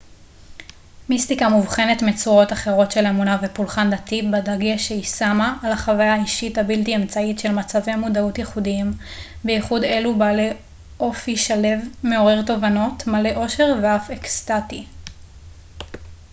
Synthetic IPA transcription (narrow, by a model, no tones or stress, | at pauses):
mistikamuvχe̞netmet͡suʁo̞taχe̞ʁo̞tʃelemunavepulχandatibadaɡeʃeisamaʔːlaχavajaːiʃithabiltiemt͡saitʃe̞lmat͡savemudautjeχudiimbeiχude̞lubaːle̞ | ʔo̞fiʃale̞vme̞o̞ʁe̞ʁto̞vano̞tmale̞ʔo̞ʃe̞ʁveafekstati